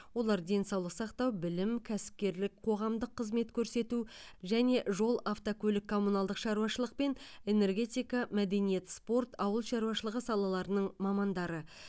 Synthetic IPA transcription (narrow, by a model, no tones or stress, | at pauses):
wo̞lˠɑɾd̪e̞nsɑwlˠəqsɑqt̪ɑwbɪlɪmkʲʰæsɪ̥p̚kʲe̞ɾlɪkqʰo̞ʁɑmd̪əqʰːəzme̞t̪kʲʰɵɾse̞t̪uʒæne̞ʔʒo̞lˠaft̪okʲʰɵlɪkʰːo̞munɑlˠd̪əqʃɑɾuwɑʃəlˠəq̚pe̞ne̞ne̞rɡʲe̞t̪ʲijkɑmæd̪e̞nije̞t̪spo̞rt̪ɑwəlˠʃɑɾuwɑʃəlˠəʁəsɑlˠɑlˠɑɾənəɴmɑmɑnd̪ɑɾə